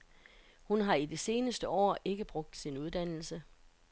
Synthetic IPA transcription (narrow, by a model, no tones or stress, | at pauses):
hunɦɑ̈idese̝ːnəsd̥əɒ̰ːe̝ɡ̥əb̥ʁɔ̽ɡ̥̚d̥sinuð̞ˠd̥æn̰l̩sə